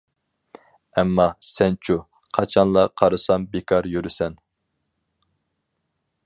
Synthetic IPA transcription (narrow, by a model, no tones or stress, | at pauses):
ɛmːɑsɛnt͡ʃʰu | qʰɑt͡ʃʰɑnlˠɑqʰɑɾɨsɑmbekʰɑɾjyɾysɛn